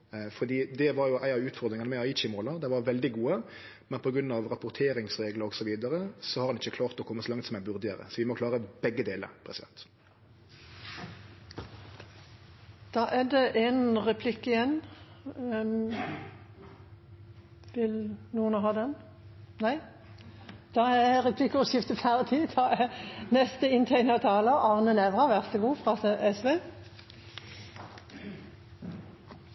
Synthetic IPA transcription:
fɔd̪iːd̪ɛʋɑɾjʊʔæɪɑʋʉːt̪fɔʁd̪ɾɪŋənəmæɪɑɪt͡ʃɪmoːlɑd̪ɛʋɑɾʋɛld̪ɪɡuːə | mɛnpʰɔɡɾʉnːɑʋʁɑpʊʁt̪ʰeːɾɪŋsʁeːɡləɾɔɡsɔʋiːd̪ɑɾəsɔhɑɾhɑnɪçːəkʰlɑːʁt̪ɔkʰɔmːəsɔlɑŋt̪sɔmæɪnbʉʁd̪ɪəɾə̰sɔʋɪmɔkʰlɑːʁəbɛɡːəd̪eːlə̰ɾpʰʁɛsɪd̪ɛ̰nt̪ | d̪̥ɑːʔæd̪ɛʔenɾɛpʰlɪkːɪjɛnː | ʋɪlnuːənɦɑːd̪ɛn | næɪ | d̪̥ɑːɛʁɛpʰlɪkːəɔʃɪft̪əfʰæʁt̪ʰid̪ʰɑːɛnɛst̪əɪnt̪ʰæɪnət̪ʰɑːləʔɑʁnənɛʋʁɑʋæʁt̪ɛɡuːfʁɑːʔɛsʋeː

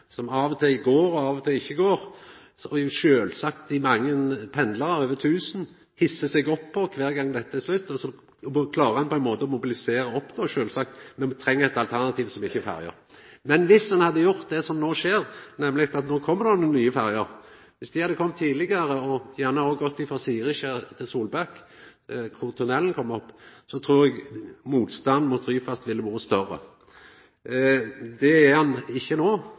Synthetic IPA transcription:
sɔmɑːʋɔt̪ʰɪlɡoːɾɔɑːʋɔt̪ʰɪlɪçːəɡoːɾ | sɔʃøːlsɑkt̪ɪmɑŋːənpʰɛnd̪ləɾəɾøːʋət̪ʰʉːsn̩ | hɪsːəsɛɡɔpʰːɔkʰʋæːɾɡɑŋːd̪ɛt̪ːət̪ɪslʉt̪ːɔsɔ | kʰlɑːɾəɾhɑnpɔænmoːt̪əɔmʊbɪlɪseːɾəɔpd̪ʰoːʃøːlsɑk̚t̪mɛnt̪ʰɾɛŋːəæt̪ɑlt̪ʰæʁnɑt̪ʰiːʋsɔmɪçːəɛfæ̰ɾjə̰ɾ | mɛnʋɪsːɑnhɑd̪ːəjʊɾt̪̚d̪ɛsɔmnoːʃeːɾnɛmːlɪkt̪ɑt̪nɔːkʰɔmːəɾd̪onənyːəfæɾjəɾ | ʋɪsd̪ɪhɑd̪ːəkʰɔmːt̪ʰːiːd̪lɪɡəɾəɔjæʁnəhoɡɔt̪ːɪfɾɑsiːʁɪʃet̪ʰɪlsuːlbɑk | kʰʊɾt̪ʰʊnɛlən̩kʰɔmːɔpːsɔt̪ʰɾuːɾɛɡmuːt̪st̪ɑnd̪mʊt̪ɾyːfɑst̪ʋɪlːəbuːəst̪œɾə̰ | d̪ɛæhɑnɪçːənoː

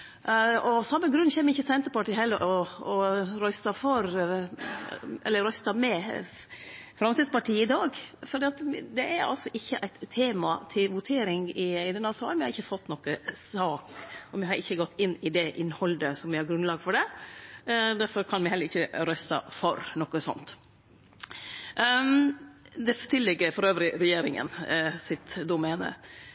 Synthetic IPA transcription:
ɔsɑmːəɡɾʉnːçɛːmɪçːəsɛnt̪əɾpɑʈiːhɛlːəɾʔɔɔɾœst̪ɑfɔɾ | ʔɛ̰lːəɾœst̪ɑmɛ | fɾɑmsɪd̪spɑʈʰiːəɪd̪ɑːɡfɔɾd̪ɛːɑt̪d̪ɛæɾɑ̰lsɔʔɪçːəʔæɪt̪ʰːeːmɑt̪ʰɪlʋʊt̪ʰeːɾɪŋɪd̪ɛnɑsɑːlmɪhɾɪçːəfɔt̪ːnɔkəsɑːkɔmɪhɑɾʔɪçːəɡɔt̪ːɪnːɪd̪ɛʔɪnːhɔld̪əsɔmʋɪhɑɾɡɾʉnlɑːɡfɔɖɛ | d̪æɾfɔɾkʰɑnmɪɦɛləɾɪçːəɾœst̪ɑ̰fɔɾnɔkːəsɔ̰nt̪ | d̪ɛt̪ʰɪlːɛɡəɾfɔɾøːʋɾɪɾɛjeːɾɪŋə̰nsɪt̪d̪ʊmɛːnə̰

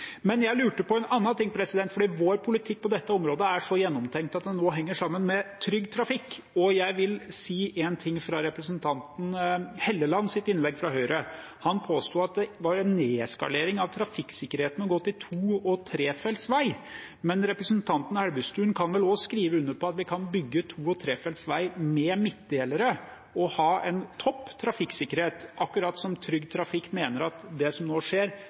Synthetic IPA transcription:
mɛnjæɪlʉːʈəpɔɛnɑnːɑnt̪ɪŋːpʰɾɛsɪd̪ɛnt̪fɔɖiːʋoːɾpʰʊlɪt̪ʰɪk̚ːpɔd̪ɛt̪ːəɔmɾoːd̪əæʂɔjɛnːɔmt̪ʰɛŋkt̪ɑt̪̚d̪ɛnːoːɦɛŋːəʂɑmːənmɛt̪ʰɾʏɡːt̪ʰɾɑfɪkː | ɔjæɪʋɪlsiːʔɛnt̪ʰɪŋːfɾɑɾɛpɾəsnt̪ʰɑnt̪n̩hɛlːəlɑnːsɪt̪ɪnlɛɡfɾɑɦœʏɾə | hɑnpʰoːst̪uːɑt̪̚d̪ɛʋɑɾɛnːeːɛskɑ̰leːɾɪŋɑʋt̪ʰɾɑfɪkːsɪkːəɾheːt̪n̩ɔɡɔt̪ːɪt̪ʰuːɔt̪ʰɾeːfɛlt̪sʋæɪ | mɛnɾɛpɾəsənt̪ʰɑnt̪n̩hæɾbʉst̪ʉːənkʰɑnʋɛlɔskɾiːʋəʉnːəɾpʰɔɑt̪ʋɪkʰɑnbʏɡːət̪ʰuːɔt̪ʰɾeːfɛlt̪sʋæɪmɛmɪt̪̚d̪eːləɾə | ɔhɑːɛnt̪ʰɔpːt̪ʰɾɑfɪksɪkːəɾheːt̪ʔɑkːʉɾɑːt̪sɔmt̪ʰɾʏɡt̪ʰɾɑfɪkːmeːnəɾɑt̪d̪ɛsɔmnoːʂeːɾ

